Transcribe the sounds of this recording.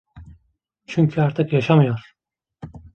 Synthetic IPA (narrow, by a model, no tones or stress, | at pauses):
t͡ʃʰyɲcʰyaɾt̪ʰɯkjaʃamɯjoɾ̥